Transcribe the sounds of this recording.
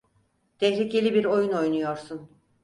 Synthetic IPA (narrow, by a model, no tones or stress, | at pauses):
d̪̥ɛhlʲicelʲibiɾo̞juno̞jnujo̞ɾsun